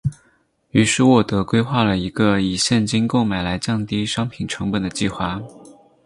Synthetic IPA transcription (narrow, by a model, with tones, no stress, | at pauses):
y˧˥ʂɻ̩˥˧wɔ˥˩t̪ɤ˧˥kwe˥ɪxwa˥˩lə˩i˧˥ɡə˧i˨˩ɕjɛ˥˩nt͡ɕi˥nko˥˩ʊma˨˩ɪla˧˥ɪt͡ɕjɑ˥˩ŋt̪i˥ʂɑ˥ŋpʰi˨˩nʈ͡ʂʰɤ˧˥ŋpə˨˩nd̪ə˩t͡ɕi˥˩xwa˥